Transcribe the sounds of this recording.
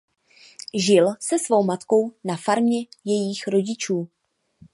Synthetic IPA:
ʒɪlsɛsvo̞wmat̪ko̞wnafaɾmɲɛjɛjiːxɾo̞ɟɪt͡ʃuː

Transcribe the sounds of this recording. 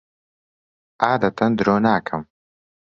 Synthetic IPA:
ʔaːd̪ɐt̪ʰɐnd̪ɾoːnaːkʰɐm

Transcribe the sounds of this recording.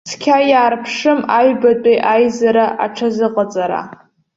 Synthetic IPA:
sʰkʲʰajaːrpʰʂɨmaɥbatʷʼejʔajzaɾaʔa̰ʈ͡ʂʰazɨqʼat͡sʼaɾa̰

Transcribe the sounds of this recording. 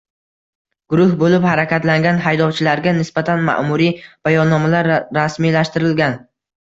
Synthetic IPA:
ɡ̥ʊɾʊhbolɪphaɾakʲat̪laŋɡʲanɦajd̪ɒwt͡ʃʰɪlaɾɡʲanɪsbat̪ʰanma̰ʔmʊɾib̥ajɒnːɒmalaɾːasmijlaʃt̪ɪɾɪlɡʲan

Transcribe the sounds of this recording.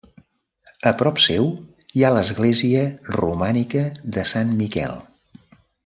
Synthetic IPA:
əpɾɔpsɛw | ialəzɣleziərṵmanikəðəsanmikɛ̰lˠ

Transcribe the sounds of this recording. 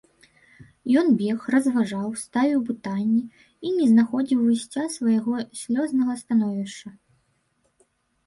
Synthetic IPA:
jɔnbʲɛxrɐzvaʐawst̪avʲiwpɨt̪anʲːi | inʲɛznaxɔd͡zʲiwvɨsʲt͡sʲasvɐjaɣɔsʲlʲɔznɐɣɐst̪anɔvʲiʂt͡ʂɐ

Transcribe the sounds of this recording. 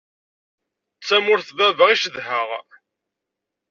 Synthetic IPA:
t͡sːæmʊɾθvævəʁiʃəðɦəʁ

